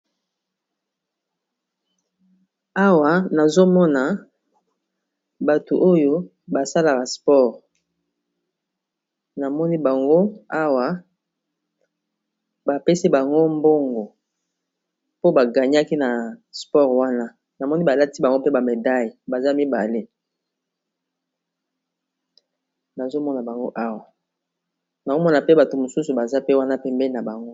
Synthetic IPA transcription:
a˦wa˨na˨zo˦mɔ˦na˨ | ba˨tu˨ʔo˦jo˦ | ba˨sa˦la˨ka˨spɔ˦ʁ | na˨mɔ˦ni˦ba˨ŋɡo˦a˦wa˦ | ba˨pe˦si˦ba˨ŋɡo˦mbo˦ŋɡo˨ | po˦ba˨ɡa˨ɲ˦a˦ki˦na˨spɔ˦ʁwa˦na˦ | na˨mɔ˦ni˦ba˨la˦ti˦ba˨ŋɡo˦pe˦ba˨me˨da˦ji˨ba˨za˦mi˦ba˨le˦ | na˨zo˦mɔ˦na˨ba˨ŋɡo˦ʔa˦wa˨ | na˨o˦mɔ˦na˨pe˦ba˨to˨mo˨su˦su˨ba˨za˦pe˦wa˦na˦pɛ˨mbɛ˦li˦na˨ba˨ŋɡo˦

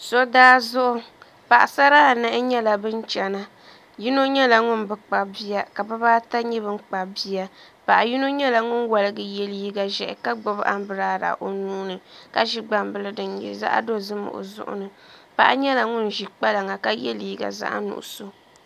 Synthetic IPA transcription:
so˦daː˦zʊ˦ʔʊ˦ | pa˨ʔa˨sa˦ɾaː˦˨nɨ˦ʔɪ˦ɲɛ˦la˨bɨ˦n˦t͡ʃɛ˨na˦ | ji˦no˦ɲɛ˦la˨ŋʊ˦nbɨ˨k͡pa˨bi˦a˨ka˨bɨ˦baː˦ta˦ɲi˦βɨ˦m˦k͡pa˨bi˦ja˦ | pa˨ʔa˨ji˦no˦ɲɛ˦la˨ŋʊ˦nwa˨lɨ˦ɡɨ˨jɛ˦li˦i˦ɡa˨ʒɛ˨ʔɪ̰˨ka˦ɡ͡bʊ˦bʔa̰˦m˦bɨ˨ɾaː˦ɾa̰˨ʔo˨nuː˦nɨ˨ka˦ʒi˦ɡ͡ba˨mbɨ˨lɨ˦dɨ˨njḭ˨za̰˦ʔa̰˦do˦zɨ˦mɨ̰˨ʔo̰˨zʊ̰˦ʔʊ̰˦nɨ˨ | pa̰˨ʔa˦ɲɛ˦la˨ŋʊ˦n˨ʒi˨k͡pa˦la˨ŋa˨ka˦jɛ˦liː˦˨ɡa̰˨za̰˦ʔnʊ̰˨ʔʊ̰˨so˦

